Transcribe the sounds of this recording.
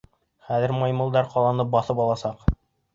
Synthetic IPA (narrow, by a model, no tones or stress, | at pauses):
χæðɘ̆ɾmɑjmɤ̆lˠd̪ɑɾqɒlˠɑnɤp̚bɑθɤpɑlˠɑsɑq